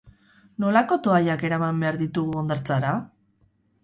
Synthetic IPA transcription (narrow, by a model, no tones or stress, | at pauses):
no̞lako̞t̪o̞aʎake̞ɾamambe̞aɾðit̪uɣuond̪eɾt͡saɾa